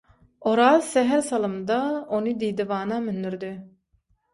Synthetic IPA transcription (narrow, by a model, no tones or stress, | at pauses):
oɾɑːzsɛɦɛɾsɑlˠɯmd̪ɑonɯd̪ijd̪ivɑːnɑmynd̪yɾd̪i